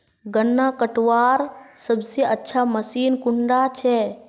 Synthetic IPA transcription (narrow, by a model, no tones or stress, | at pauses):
ɡənːakəʈʋaːɾsəbseətːʃʰaməsiːnkʊɳɖat͡ʃʰɛ